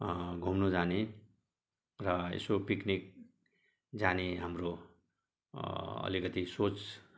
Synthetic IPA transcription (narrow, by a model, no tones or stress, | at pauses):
ɡʱumnod͡zane | rʌḛsopiknik̚ | d͡zaneɦamro | ʌ̰likʌt̪isot͡s